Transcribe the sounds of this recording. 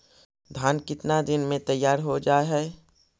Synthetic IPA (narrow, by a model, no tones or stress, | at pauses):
d̪ʱaːnkɪt̪nad̪ɪnmẽt̪əjːaːɾɦod͡ʒaːɦɛː